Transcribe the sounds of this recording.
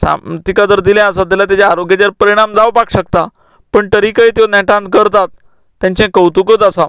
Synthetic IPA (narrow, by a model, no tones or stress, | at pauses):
sa̰t̪ikad͡zəɾd̪iljɛ̃əsat̪ɛlat̪jat͡ɕaːɾoɡjat͡ɕaɾpəɾiɽ̃amd͡zaʋpakɕəkt̪a | pəɳt̪əɾikəit̪jonɛ̃ʈãnt̪̚kəɾt̪at̪̚ː | jãɲt͡ɕɛ̃kəwt̪ukət͡sasa